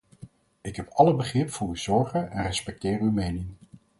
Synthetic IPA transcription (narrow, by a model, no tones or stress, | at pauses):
ɪkɦɛpɑləbəχrɪpfʊːɹyz̥ɔɹχənɛnrɛspɛk̚tɪːrywmejnɪŋ